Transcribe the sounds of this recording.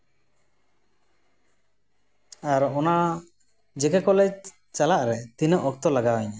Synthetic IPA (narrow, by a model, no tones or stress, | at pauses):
aɾɔna | d͡ʒɛkɛkɔlɛ | t͡ʃalaʔɾɛt̪inəʔɔk̚t̪ɔlaɡawɛɲa